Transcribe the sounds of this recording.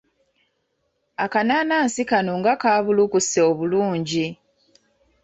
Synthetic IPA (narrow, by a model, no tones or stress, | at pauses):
akanaːnaːnsikanoŋɡakaːβulukuseoβuluːɲɟi